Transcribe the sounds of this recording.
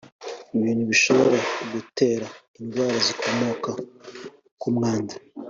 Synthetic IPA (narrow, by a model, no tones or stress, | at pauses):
iβiːnhuβiʃo̞βo̞ɾaɡute̞ːɾa | indwaːɾazikʰo̞mo̞ka | kumŋaːnda